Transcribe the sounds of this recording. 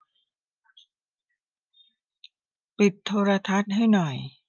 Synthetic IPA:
pi˨˩t̪ʰːoː˧ɾa˧t̪ʰa˦˥t̪̚ha˥˩jnɔ˨˩j

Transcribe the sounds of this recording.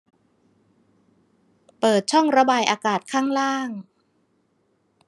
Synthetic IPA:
pɤː˨˩t̪̚t͡ɕʰɔ˥˩ŋɾa˧baː˧jʔaː˧kaː˨˩t̪̚kʰaː˥˩ŋɾaː˥˩ŋ

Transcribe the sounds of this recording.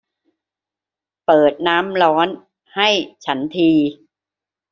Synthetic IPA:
pɤː˨˩t̪̚naː˦˥mɾɔː˦˥n | ha˥˩jt͡ɕʰa˦˥nt̪ʰiː˧

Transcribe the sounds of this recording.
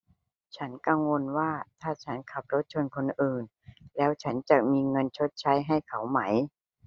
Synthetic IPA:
t͡ɕʰa˦˥nka˧ŋwo˧nwaː˥˩t̪ʰaː˥˩t͡ɕʰa˦˥nkʰa˨˩p̚ɾo˦˥t̪̚t͡ɕʰo˧nkʰo˧nʔɯː˨˩n | lɛː˦˥wt͡ɕʰa˦˥nt͡ɕa˨˩k̚miː˧ŋɤ˧nt͡ɕʰo˦˥t̪̚t͡ɕʰa˦˥jɦa˥˩jkʰa˩˦wma˦˥j

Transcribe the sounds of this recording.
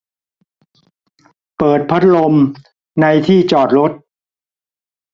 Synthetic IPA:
pɤː˨˩t̪̚pʰa˦˥t̪̚lo˧m | na˧jt̪ʰiː˥˩t͡ɕɔː˨˩t̪̚ɾo˦˥t̪̚

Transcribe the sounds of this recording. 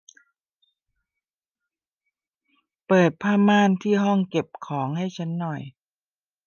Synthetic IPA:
pɤː˨˩t̪̚pʰaː˥˩maː˥˩˨nt̪ʰiː˥˩ɦɔ˥˩ŋke˨˩p̚kʰɔː˩˦ŋha˥˩jt͡ɕʰa˦˥nːɔ˨˩j

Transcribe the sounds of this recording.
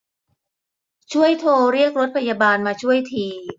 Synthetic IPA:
t͡ɕʰu˥˩əjt̪ʰoː˧ɾi˥˩ək̚ɾo˦˥t̪̚pʰa˧jaː˧baː˧nmaː˧t͡ɕʰu˥˩əjt̪ʰiː˧

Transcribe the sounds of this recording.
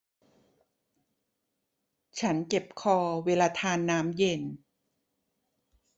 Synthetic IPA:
t͡ɕʰa˦˥nke˨˩p̚kʰɔː˧weː˧laː˧t̪ʰaː˧nːaː˦˥mje˧n

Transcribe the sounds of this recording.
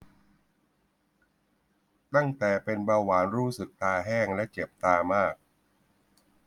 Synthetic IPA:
t̪a˥˩ŋt̪ɛː˨˩pe˧nbaː˧waː˩˦nɾuː˦˥sɯ˨˩k̚t̪aː˧ɦɛː˥˩ŋlɛ˦˥ʔt͡ɕe˨˩p̚t̪aː˧maː˥˩k̚

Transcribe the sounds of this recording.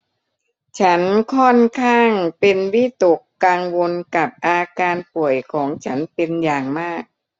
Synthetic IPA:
t͡ɕʰa˦˥nkʰɔ˥˩nkʰaː˥˩ŋpe˧nwi˦˥˩t̪o˨˩kːaː˧ŋwo˧nka˨˩p̚ʔaː˧kaː˧npu˨˩əjkʰɔː˩˦ŋt͡ɕʰa˦˥npe˧njaː˨˩ŋmaː˥˩k̚

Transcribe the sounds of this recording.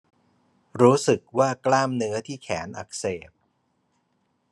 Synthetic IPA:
ɾuː˦˥sɯ˨˩k̚waː˥˩klaː˥˩mnɯ˦˥ɐt̪ʰiː˥˩kʰɛ̰ː˩˦nʔa̰˨˩k̚seː˨˩p̚

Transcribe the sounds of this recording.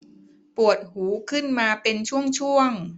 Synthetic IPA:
pu˨˩ət̪̚huː˩˦kʰɯ˥˩nmaː˧pe˧nt͡ɕʰu˥˩əŋt͡ɕʰu˥˩əŋ

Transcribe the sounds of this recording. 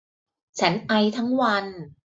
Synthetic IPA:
t͡ɕʰa˦˥nʔa˧jt̪ʰa˦˥ŋwa˧n

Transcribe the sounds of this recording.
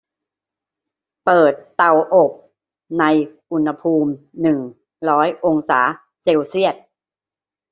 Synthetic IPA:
pɤː˨˩t̪ːa˨˩wʔo˨˩p̚ | na˧jʔu˧nha˧pʰuː˧mnɯ˨˩ŋ | ɾɔː˦˥jʔo˧ŋsa̰ː˩˦ | se˧wsi˥˩ət̪̚

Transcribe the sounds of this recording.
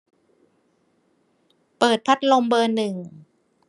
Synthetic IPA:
pɤː˨˩t̪̚pʰa˦˥t̪̚lo˧mbɤː˧nɯ˨˩ŋ

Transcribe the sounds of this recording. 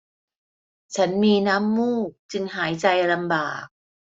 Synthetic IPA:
t͡ɕʰa˦˥nmiː˧naː˦˥mːuː˥˩k̚t͡ɕɯ˧ŋɦaː˩˦jt͡ɕa˧jla˧mbaː˨˩k̚

